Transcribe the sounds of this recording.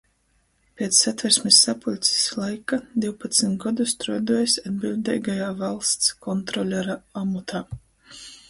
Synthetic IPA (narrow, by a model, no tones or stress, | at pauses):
pʲeɛt̪sːat̪vɛɾsʲmʲisːapulʲt̪sʲi̥slˠajkad̪iwpat̪sit̪ɡɔd̪ust̪ɾɔd̪uɔjsʲad̪̚bilʲd̪ʲɛ̰jɡajaːvalˠst̪skɔnt̪ɾɔlʲɛɾaamut̪ʰaː